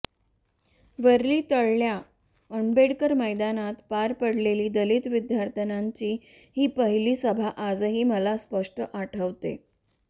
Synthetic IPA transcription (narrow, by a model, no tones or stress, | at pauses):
ʋəɾliːt̪əɭlja | əɳbeɽkəɾməjd̪anat̪paɾpəɽleliːd̪əlit̪ʋid̪jaɾt̪ʰənaɲt͡ɕiː | hiːpəɦiliːsəbʱaʔad͡zɦiːməlaspəʂʈəʔaʈʰəʋt̪ḛ